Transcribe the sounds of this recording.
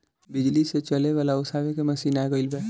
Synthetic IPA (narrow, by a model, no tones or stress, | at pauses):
bɪd͡ʒliset͡ʃəleʋaːlaʊsaːʋekemɐsiːnaeɡəilbeː